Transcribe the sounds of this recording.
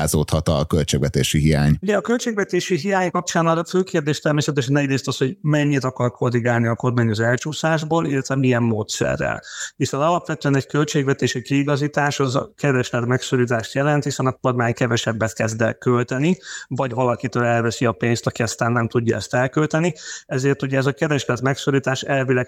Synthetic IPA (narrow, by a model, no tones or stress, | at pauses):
aːzoːt̪hɒt̪ɒkølt͡ʃeːɡvɛt̪eːʃiɦija̰ːɲuɟɛɒkølt͡ʃeːɡvɛt̪eːʃiɦijaːɲkɒpt͡ʃaːnɒɾɒføːkeːrd̪eːʃt̪ɛrmeːsɛt̪ɛʃɛnɛɟreːst̪ɒsho̞ɟmɛɲːit̪ɒkɒrkʰoriɡaːlniɒko̞rmaːɲɒzɛlt͡ʃuːsaːʒboːlilːɛt̪vɛmijɛmːoːt̪sɛ̰rːɛ̰lhisonɒlɒpʋɛt̪øɛnɛɟkølt͡ʃeːɡvɛt̪eːʃikiːɡɒzit̪aːʃɒzɒ̰kɛɾɛʃlɛt̪mɛksoɾiːt̪aːʃt̪jɛlɛnt̪hisɛnɒko̞rmaːɲkɛvɛʃɛbːɛt̪kɛzd̪ɛkølt̪ɛnivɒɟvɒlɒkit̪øːlɛlvɛsiɒpeːnst̪ɒkiɒst̪aːnːɛmt̪uɟːɒɛ̰st̪ɛlkølt̪ɛniɛzeːrt̪uɟɛːzɒkɛɾɛʃlɛt̪mɛksoɾit̪aːʃɛlvilɛɡ